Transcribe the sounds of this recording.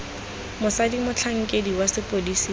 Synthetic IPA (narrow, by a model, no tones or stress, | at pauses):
mʊsadimʊt͡ɬʰaŋ̩kʼediwasɪpʼodisi